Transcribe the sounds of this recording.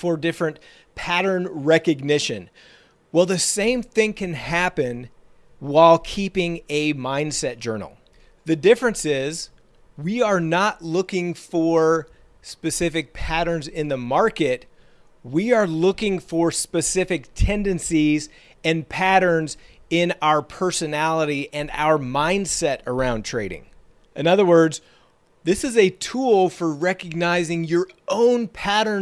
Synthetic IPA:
fə˞dɪfɹɨ̃n | pʰæɾə̃˞nɹɛkɨɡ̚nɪʃɨ̰̃n | wɛlˠðɨsẽɪ̃mθɪ̃ŋkʰɨ̃nhæpɨ̃n | waɪlˠkʰipɪ̃ŋɨmãɪ̃nd̥sɛt̚d̥ʒ̥ɜ̰˞nl̩ˠ | ðɨdɪfɹɨ̃nsɪz | wiə˞nətˡlʊkɪ̃ŋfə˞ | spɨsɪfɨk̚pʰæɾə̃˞nzɪ̃nðəmɑɹkɨt̚ | wiə˞lʊkɪ̃ŋfə˞spɨsɪfɨk̚tʰɛ̃ndɨ̃nsiz | ɨ̃npʰæɾə̃˞nz | ɪ̃naʊə˞pʰɜ˞sɨnælˠəɾiʔɨ̃na̰ʊə˞mãɪ̃nd̥sɛɾə˞ãʊ̃ntʰɹ̥eɪɾɪ̰̃ŋ | ʔɨ̃nʌðə˞wɜ˞dz | ðɪsɨzɨtʰulˠfə˞ɹɛkɨɡ̚naɪzɪ̃ŋjə˞õʊ̃npʰæɾə̃˞

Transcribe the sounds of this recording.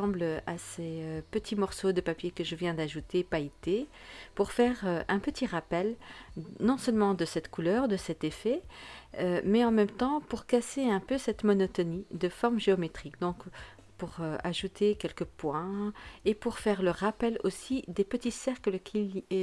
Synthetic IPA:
ɑ̃bləaseøpət̪ʰimɔʁsod̪əpapjekəʒəvjɛ̃d̪aʒut̪epait̪epuʁfɛʁøɛ̃pət̪ʰiʁapɛlnɔ̃sœlmɑ̃d̪əsɛt̪kulœːʁd̪əsɛt̪efɛømɛɑ̃mɛmt̪ɑ̃puʁkaseɛ̃pøsɛt̪mɔnɔt̪ɔnid̪əfɔʁmʒeɔmet̪χikd̪ɔ̃k | puʁøa̰ʒut̪ʰekʲɛlkəpwɛ̃epuʁfɛʁləʁapɛlosid̪epət̪isɛʁkləkʲʰil

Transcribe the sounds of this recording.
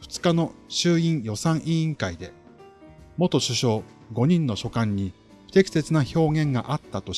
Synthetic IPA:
ɸɯ̟̥t͡sɨ̥kano̞ɕɨːĩɰjo̞sãɰ̃ʔiĩŋkaid̪e̞ | mo̞t̪o̞ɕɨɕo̞ː | ɡo̞ɲ̟ĩnːo̞ɕo̞kãɲ̟ːi | ɸɯ̥t̪e̞kʲi̥se̞t͡sɨnaço̞ːɡẽ̞ŋɡa̰ʔat̪ːat̪o̞

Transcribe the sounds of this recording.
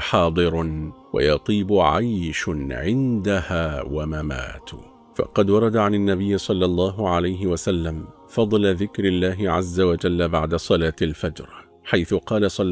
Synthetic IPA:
ħɑːd̪ˤɨɾ | wa̰jɑt̪ˤiːbʊʕajʃʕɪnd̪ahaːwamama̰ːt̪ | fɑ̰qɑd̪wɑɾˤɑd̪aʕananːabɪjːɪsˤɑlːɑlˤːɑːɦʊʕalajɦɪwasalːam | fɑd̪ˤlaðɪkɾɪlːaːɦɪʕazːawad͡ʒalːabaʕd̪asˤɑlaːt̪alfad͡ʒɾˤ | ħajθʊqɑːlasˤɑː

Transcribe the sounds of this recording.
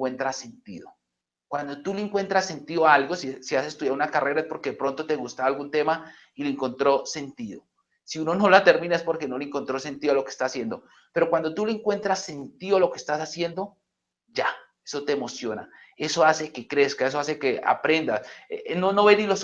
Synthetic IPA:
went̪ɾase̞nt̪iðo | kwand̪o̞t̪uleŋkwe̞nt̪ɾase̞nt̪iðoaalɡosisiasest̪uðjaɾunakare̞ɾaespo̞ɾkeðepɾo̞nt̪o̞t̪e̞ɣust̪aalɡunt̪e̞ma | ileeŋko̞nt̪ɾo̞se̞nt̪iðo̞ | siuno̞no̞lat̪e̞ɾmĩnaespo̞ɾke̞no̞leŋko̞nt̪ɾo̞se̞nt̪iðoalo̞ke̥st̪asje̞nd̪o̞̰ | pe̞ɾo̞kwand̪o̞t̪ule̞eŋkwe̞nt̪ɾasːe̞nt̪iðoalo̞keːst̪asasje̞nd̪o̞ | d͡ʒa | eso̞t̪eːmo̞sjo̞na̰ | e̞so̞ase̞ke̞kɾe̞skae̞s̬o̞as̬e̞ke̞ʔa̰pɾe̞nd̪asenonoβenilos

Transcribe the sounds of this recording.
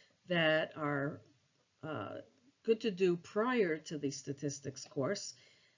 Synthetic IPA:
ðɨɾə˞ | ɡ̥ʊd̚tʰɨdɨpʰɹ̥aɪə˞ɾɨðɨstɨtʰɪstɨkskʰɔɹs

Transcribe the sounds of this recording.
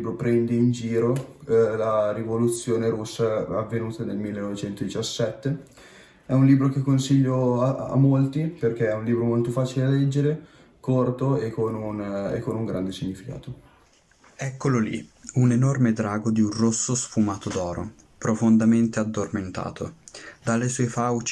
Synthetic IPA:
ibɾopɾɛnd̪eind͡ʒiːɾolaɾivolut̪sːjoːneɾusːaːvːenuːt̪anelmilːenːɔvet͡ʃɛnt̪od̪it͡ʃasːɛt̪ːe | ɛunliːbɾok̟ekːonsiʎːoaa̰molt̪iperk̟eɛunliːbɾomolt̪ofaːt͡ʃilealɛd͡ʒːeɾe | kort̪oekːonunḛkːonuŋɡɾand̪esiɲːifika̰ːt̪o | ɛkːololḭunenormed̪ɾaːɡod̪iunrosːosfumaːt̪od̪ɔːɾo̰ | pɾofond̪ament̪ead̪ːorment̪a̰ːt̪ʰod̪alːesɔefawt͡ʃ

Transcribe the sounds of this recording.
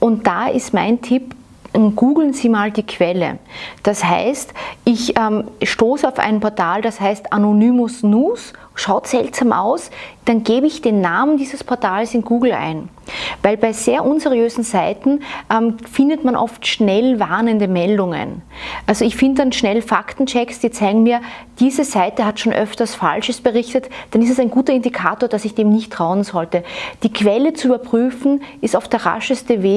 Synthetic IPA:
ʔʊnt̚d̥aɪstma̰ɪntʰɪp | mɡ̥uːɡl̩nziːmaːld̥iːkʰv̥ɛlə̰d̥asha̰ɪstʔɪçʔɛːmʃtoːsəaʊfʔæ̰ɪnpʰɔɐtʰaːld̥ashaɪstanonyːmʊsnuːs | ʃaʊtz̥ɛltsaːmʔa̰ʊsd̥anɡ̥eːbəɪçd̥eːnːaːməndiːzəspʰɔɐtʰaːlsɪnɡuːɡl̩ʔa̰ɪn | væɪlbaɪz̥eːɐʔunzɛʁiøːzn̩zaɪtn̩ʔɛmfɪndətmanʔɔ̰ftʃnɛlvaɐnəndəmɛldʊŋə̰nʔʔalzoɪçfɪndədanʃnɛlfa̰ktn̩t͡ʃɛksd̥iːt͡saɪɡŋ̩miːɐd̥iːzəzaɪtəɦatʃoːnʔœ̰ftɐsfa̰lʃəsb̥əʁɪçtətd̥anɪstasæɪnɡuːtɐɪndikʰa̰ːtoːɐd̥asɪçd̥eːmnɪçtːʁ̥aʊənzɔltəd̥iːkʰv̥ɛlət͡suyːbɐpʁ̥yːfn̩ɪstaʊfd̥eːɐʁa̰ʃəstəveː

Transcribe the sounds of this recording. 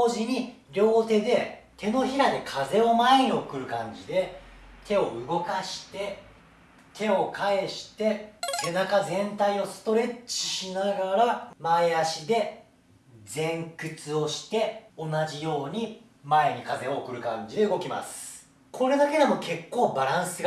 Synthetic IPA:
oːʑiɲ̟i | ɾʲo̞ːt̪e̞d̪e̞ | t̪e̞no̞çiɾad̪ekʰaze̞o̞mae̞ɲ̟io̞kɯ̟ɾɯ̟kãɲ̟d͡ʑid̪e̞t̪ʰe̞o̞ɯ̟ɡo̞kaɕi̥t̪e̞ | t̪ʰe̞o̞kʰae̞ɕi̥t̪e̞se̞nakazẽ̞nt̪aio̞sɨ̥t̪o̞ɾe̞t͡ɕi̥ɕinaɡaɾamaeaɕid̪e̞ | zd͡zẽ̞ŋkɯ̟t͡sɨo̞ɕi̥t̪e̞o̞naʑijo̞ːɲ̟i | mae̞ɲ̟ikaze̞oːkɯ̟ɾɯ̟kãɲ̟d͡ʑid̪e̞ɯ̟ɡo̞kʲima̰sɨ̥ | kʰo̞ɾe̞d̪ake̞d̪e̞mo̞ke̞kːo̞ːbaɾãɰ̃sɨɡ

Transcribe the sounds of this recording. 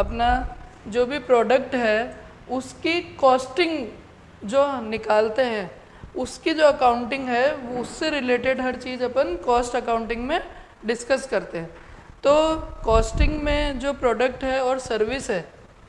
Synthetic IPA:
ɐpna | d͡ʒoːbʱipɾɔːɖək̚ʈɦɛ | ʊskikɔːsʈɪ̃ŋɡ | d͡ʒoːnɪkaːlt̪eɦɛ̃ː | ʊskid͡ʒoːɐkaːʊ̃ɳʈɪ̃ŋɡɦɛʋoʊsːeɾɪleːʈɪɖɦɐɾt͡ʃiːzɐpənkɔːsʈɐkãːʊ̃ɳʈɪ̃ŋɡmẽ | ɖɪskəskɐɾt̪eɦɛ̃ː | t̪oːkɔːsʈɪ̃ŋɡmẽd͡ʒoːpɾɔːɖək̚ʈɦɛɔːɾsɐɾʋɪsɦɛː

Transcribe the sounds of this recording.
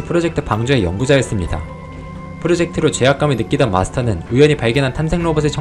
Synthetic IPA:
pʰɯɾod͡ʑe̞k̚tʰɯ̥paŋd͡ʑoe̞jʌ̰ŋɡud͡ʑajes͈ɯmɲida̰ | pʰɯɾod͡ʑe̞k̚tʰɯɾot͡ɕe̞ɦak͈aminɯk͈idʌnma̰sʰɯ̥tʰʌnɯnɯjʌɲipaɭɡjʌnɦantʰamsʰe̞ŋnobusʰɯt͡ɕʰʌ

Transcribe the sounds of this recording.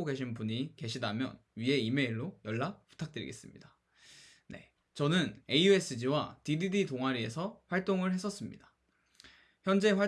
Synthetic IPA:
oɡe̞ɕʰinpuɲike̞ɕʰidamjʌn | ɥie̞ime̞iɭːojʌɭːapu̥tʰak̚t͈ɯɾḭɡe̞s͈ɯmɲida | ne̞̰ | t͡ɕʌnɯne̞iue̞s͈ʰɯd͡ʑiwatididitoŋaɾie̞sʰʌɸwaɭt͈oŋɯɭhe̞s͈ʰʌs͈ɯmɲida | çjʌnd͡ʑe̞ɸwa

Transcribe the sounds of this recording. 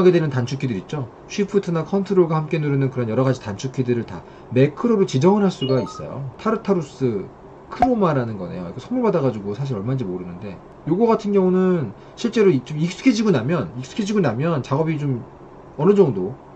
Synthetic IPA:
ɡedwenɯntant͡ɕʰukʰidɯɾit̚t͡ɕ͈o | ɕʰuipʰutʰɯnakʰʌntʰɯɾoɭɡwahamk͈e̞nuɾɯnɯnkɯɾʌnjʌɾʌɣad͡ʑitant͡ɕʰukʰidɯɾɯɭta̰ | me̞kʰɯɾoɾɯɭt͡ɕid͡ʑʌŋɯɾɦaɭs͈uɡais͈ʌ̰jo̰tʰaɾɯtʰaɾus͈ɯ | kʰɯɾomaɾanɯnɡʌne̞̰jo̰ikʰesʰʌmuɭbadaɣad͡ʑuɡosʰaɕ̬ʰiɾʌɭmand͡ʑimoɾɯnɯnde̞ | joɡʌɡatʰɯnɡjʌŋunɯn | ɕʰiɭt͡ɕ͈e̞ɾoit͡ɕomik̚s͈u̥kʰed͡ʑiɡonamjʌnik̚s͈u̥kʰed͡ʑiɡonamjʌnt͡ɕaɡʌbit͡ɕom | ʌnɯd͡ʑʌŋdo

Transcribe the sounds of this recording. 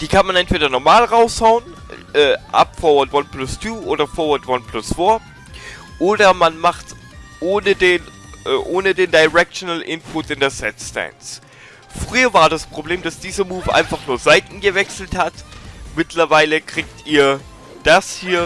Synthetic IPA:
d̥iːkʰanmanʔɛntv̥eːdɐnɔɐmaːlʁaʊshaʊən | ʔɛːʔa̰pfɔːɐvɐtvanplʊstʰuːʔoːdɐfɔːɐvaɐtvanpʰl̥ʊsfoːɐ | ʔoːdɐmanmaχt | ʔoːnədeːnʔɛʔoːnədeːndaɪʁɛk̚tonalʔɪnpʰʊtɪndɛɐsɛtstɛ̰ns | fʁ̥yːɐvaːɐdaspʁ̥obleːmd̥asd̥iːzɐmuːfʔa̰ɪnfaχnuːɐzaɪtn̩ɡəvɛksl̩thatmɪtʰlɐvaɪləkʁ̥iːktiːɐ | d̥ashiːɐ

